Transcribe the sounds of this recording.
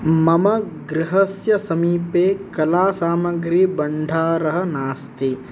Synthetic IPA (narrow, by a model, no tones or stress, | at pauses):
mɐmɐɡɾɪɦɐsjɐsɐmiːpeːkɐlaːsaːmɐɡɾibɐɳɖʱaːɾɐɦɐ̆naːst̪i